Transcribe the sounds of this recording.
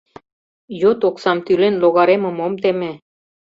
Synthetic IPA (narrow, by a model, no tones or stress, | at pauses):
jot̪oksɑmt̪ylenloɣɑɾemɤ̆momt̪emĕ